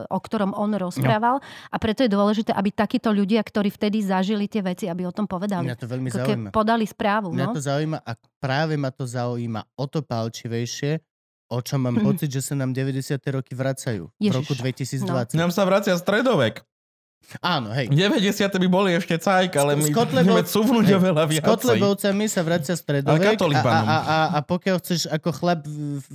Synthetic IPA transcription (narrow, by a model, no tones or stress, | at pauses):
ʔɔkt̪ɔɾɔmɔnɾɔspɾaːʋalʔapɾɛt̪ɔjɛd̪ʊɔlɛʒit̪ɛːʔabit̪akiːt̪ɔʎuɟɪakt̪ɔɾiːft̪ɛd̪izaʒilit̪ɪɛʋɛt͡siabiɔt̪ɔmpɔʋɛd̪almiɲat̪ɔʋɛʎmizkaɛimapɔd̪alispɾaːʋumnɲaɔt̪ɔzauiːmaʔa | pɾaːʋɛmat̪ɔzauiːma̰ɔt̪ɔpalt͡ʃiʋɛjʃɪɛ | ɔt͡ʃɔmːaːmpɔt͡sid̪ʒɛsanaːmɟɛʋɛɟɛsɪat̪ɛɾɔkiʋɾat͡sajṵːvɾɔkud̪ʋɛcisiːd͡zd̪ʋat͡sːanaːmsaʋɾat͡sɪast̪ɾɛd̪ɔʋɛk | aːnɔɦɛjɟɛʋɛɟɛsɪat̪ɛbibɔliɛʃcɛt͡sajkalɛmikt̪lɛɛmɛsuvnuɟɔʋɛlaʋɪaɔt̪lɛbɔʊt͡samisaʋɾat͡sɪast̪ɾɛd̪ɔlɛʋɛkakt̪ɔlibaɔmaapɔkɪjalxt͡sɛʃakɔxlɛb